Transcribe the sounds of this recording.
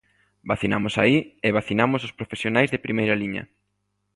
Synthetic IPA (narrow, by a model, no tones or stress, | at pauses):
baθinamʊsa̰iɪβaθinamʊsʊspɾofesjonajzðɪpɾimejɾaliɲɐ̰